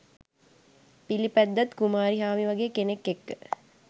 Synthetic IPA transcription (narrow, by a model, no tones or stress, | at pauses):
pilipæd̪ːat̪kumaːɾiɦaːʋiʋaɡeːkenekːekːə